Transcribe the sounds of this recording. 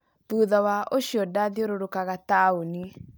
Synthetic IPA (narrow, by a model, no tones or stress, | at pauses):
ðuːðɔwaʔoɕjɔdaðioɾoɾokaɣataoni